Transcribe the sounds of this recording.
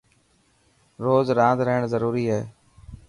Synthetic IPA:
ɾoːzɾãːnd̪ɾəɦɪɽ̃zəɾuːɾiːɦeː

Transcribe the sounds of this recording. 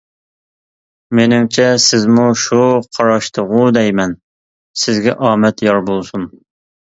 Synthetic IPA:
menɪmt͡ʃʰɛsɪzmuʃuqʰɑɾɑʃt̪ʰəʁʊd̪ɛjmɛn | sɪzɡʲɛʔɑːmɛt̪jɑɾbolˠsun

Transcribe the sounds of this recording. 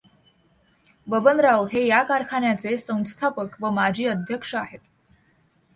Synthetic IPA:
bəbənɾaʋɦejakaɾkʰaɳjat͡sesə̃w̃st̪ʰapəkʋəmad͡ʑʱiːəd̪ʱjəkʂəaɦet̪

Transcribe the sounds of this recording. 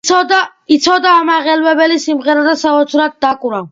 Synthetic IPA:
d̪ait̪sʰɔd̪aːmaʁɛlwɛbɛlisimʁɛɾad̪asaɔt̪sʰɾad̪̚d̪akʼuɾa

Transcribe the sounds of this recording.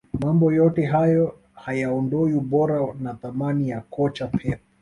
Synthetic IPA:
mambɔjɔtɛɦajɔ | hajaɔndɔiuɓɔɾanaθamanijakʰɔt͡ʃapʰɛpɔ̥

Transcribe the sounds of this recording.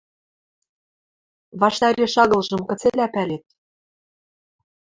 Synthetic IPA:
βɑʃt̪ɑɾʲeʃɑɣɤ̆lʒɤ̆mkɤ̆t͡selæpælet̪̚

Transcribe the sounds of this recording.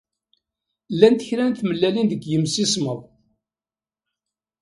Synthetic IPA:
lːænt̪ə̥çɾænt̪məlːælinðəkʷːjəmsisməðˤ

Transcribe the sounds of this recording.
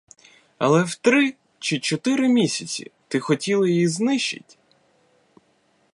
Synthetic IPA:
ɐ̰lˠɛwt̪ɾɪ | t͡ʃɪt͡ʃɔt̪ɪɾɪmʲisʲɐt͡sʲḭt̪ɪxɔtʲilˠɪjjiznɪʃt͡ʃɪ̰tʲ

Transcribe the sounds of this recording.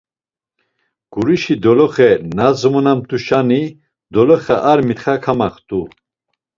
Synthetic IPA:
ɡ̥uɾiʃid̪ɔlɔχɛnazmɔnamt̪ʰuʃani | d̪ɔlɔχɛʔaɾmit̪χakʰamaχt̪ʰʼu

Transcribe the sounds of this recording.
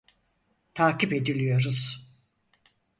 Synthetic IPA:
t̪ʰaːcipe̞d̪ilʲijo̞ɾuz̥

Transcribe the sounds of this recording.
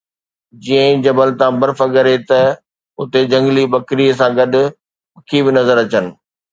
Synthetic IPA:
d͡ʑiːə̃d͡ʑɐbəlt̪ãbɐɾfɐɠɐɾet̪ɐ | ʊt̪ed͡ʑɐ̃ŋɡlibɐkɾiːəs̬ãɡɐɗʊ̆ | ɐkʰibɪnɐzəɾɐt͡ɕənɪ̆

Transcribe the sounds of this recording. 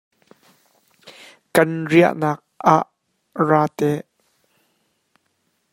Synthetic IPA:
kɐnriə̰ʔnaːk̚ʔaʔ | raːt̪ɛʔ

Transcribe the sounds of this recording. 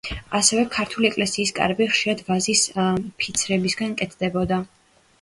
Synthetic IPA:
asɛvɛkʰaɾt̪ʰuliɛkʼlɛsiːskʼa̰ɾbiχʃiɾad̪vazispʰit̪sʰɾɛbisɡankʼɛt̪ʰd̪ɛbɔd̪a

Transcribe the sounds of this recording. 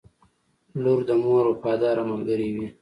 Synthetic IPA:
luɾd̪əmoɾopɑːd̪ɑːɾamalɡəɾiwi

